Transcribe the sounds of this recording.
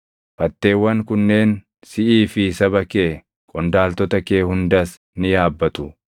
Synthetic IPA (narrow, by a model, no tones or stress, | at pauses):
fɐt̪ːe̞ːwːɐŋkʊnːe̞ːn | sɪʔiːfɪsɐbɐke̞ː | kʼɔnd̪aːlt̪ɔt̪ɐke̞ːhʊnd̪ɐs | nɪjaːbːɐt̪ʼʊ